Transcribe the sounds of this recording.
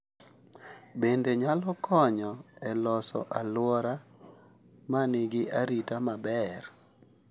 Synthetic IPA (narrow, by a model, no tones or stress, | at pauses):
bendeɲalɔkʰɔɲɔɛlɔsɔ̰ʔalwɔɾa | manɪɡɪʔaɾitamabɛr